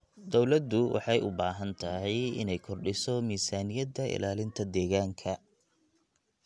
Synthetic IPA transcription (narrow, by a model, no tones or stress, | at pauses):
d̪ɔwlɐd̪ʊwʔɑ̰ħɑjʊ̰baːɦɐnt̪ʰɐhɛjɪ̰nɛjkʰɔrɖɪsɔmiːsaːnɪjɐd̪ɐʔɪ̰laːlɪnt̪ʰɐd̪ɛːɣaːŋkʰɐ